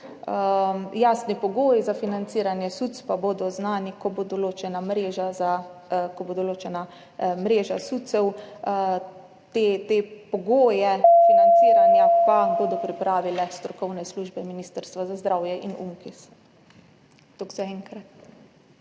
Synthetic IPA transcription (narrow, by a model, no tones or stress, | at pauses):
jaːsnipɔɡoːjizafinant̪siːɾanjɛsut̪spaboːd̪ɔznaːnikɔbod̪oloːt͡ʃɛnamɾeːʒazakɔboːd̪oloːt͡ʃɛna | mɾeːʒasut̪sɛw | t̪et̪epɔɡoːjɛfinant̪siːɾanjapaboːd̪ɔpɾipɾaːʋilɛst̪ɾɔkɔwnɛsluʒbɛminiːst̪əɾst̪ʋazazd̪ɾawjɛʔinṵŋkis | t̪oɡzaɛŋkɾat̪